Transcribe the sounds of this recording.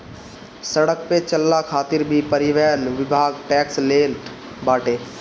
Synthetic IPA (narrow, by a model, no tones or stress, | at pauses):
səɽəkpet͡ʃəlːakʰaːt̪ɪɾbʱipəɾɪʋɛjənʋɪbʱaːɡʈɛːksleːl | baːʈeː